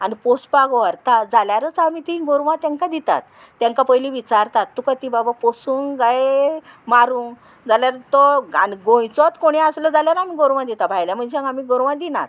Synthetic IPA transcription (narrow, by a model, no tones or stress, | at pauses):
anipospaɡʋəɾt̪ad͡zaljaɾət͡samit̪inɡoɾʋãt̪jãŋkad̪it̪a̰t̪ː | jãŋkapəjliʋit͡ɕaɾt̪at̪ːukət̪ibabaposuːŋɡajemaɾuːŋ | d͡zaljaɾət̪ɔaniɡõjt͡sɔt̪koɽ̃iəsləd͡zaljaɾamiɡoɾʋãd̪it̪abʱajljam̤əɳd͡ʑamiɡoɾʋãd̪ina̰t̪